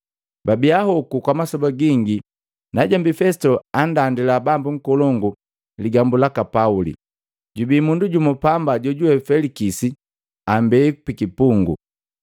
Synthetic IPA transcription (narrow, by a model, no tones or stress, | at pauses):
babiahɔkukwamasɔbaɡiŋɡi | naɟambifɛsi̥tɔandandilabambuŋ̩kɔlɔŋɡu | liɡambulakapaulḭ | ɟubiːmunduɟumɔpambaɟɔɟuwɛfɛlikisi | ambɛikupikipuŋɡṵ